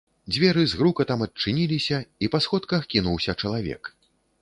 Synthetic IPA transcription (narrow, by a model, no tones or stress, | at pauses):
d͡zʲvʲɛɾɨzɣɾukɐt̪amɐt̚t͡ʂɨnʲilʲisʲɐipasxɔt̪kɐxkʲinuwsʲɐt͡ʂɐlˠavʲɛ̰k